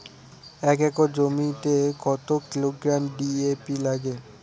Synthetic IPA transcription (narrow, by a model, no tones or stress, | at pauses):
ɛk̬ɛkod͡ʑomiʈ̪ekɔt̪okiloɡɾamɖiepilaɡe